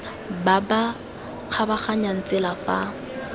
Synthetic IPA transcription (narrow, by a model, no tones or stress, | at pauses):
baba | q͡χʰabaχaɲan̩t͡sʼɪlafa̰